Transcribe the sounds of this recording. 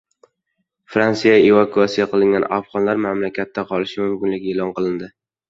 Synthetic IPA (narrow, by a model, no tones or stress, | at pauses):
fɾant̪sijaevakuasijaqɨlˠɪŋɡʲanafʁɒnlaɾmamlakʲʰat̪ʰːaqʰɒlɪʃɪmʊmkʲɪnlɪɡʲɪelɒnqɨlˠɪnd̪ɪ